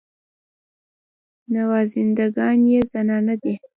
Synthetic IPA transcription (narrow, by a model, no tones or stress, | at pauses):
nawɑzɪnd̪aɡɑnjezanɑnad̪e